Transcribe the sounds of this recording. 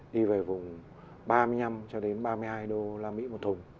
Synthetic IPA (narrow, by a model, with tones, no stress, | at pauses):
ɗi˧ve˨˩vʊ˨˩ŋ͡m | ɓaː˧mɨ˧əjɲa˧mt͡ɕɔ˧ɗe˨˦nɓaː˧mɨ˧jhaː˧jɗo˧laː˧mḭ˧˥mo˨˩t̪ʰʊ˨˩ŋ͡m